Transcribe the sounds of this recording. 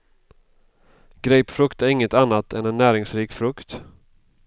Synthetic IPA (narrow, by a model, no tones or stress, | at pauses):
ɡ̥ɾɛjpfɾɵkt̪æɾɪŋːət̪anːat̪ʰɛnɛnːæːɾɪŋsɾiːkfɾɵkt̪